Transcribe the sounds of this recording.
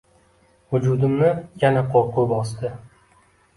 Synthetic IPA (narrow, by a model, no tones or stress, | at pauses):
hʊd͡ʒʊd̪ɪmnɪjanaqʰoɾqʰoɾbɒsd̪ɪ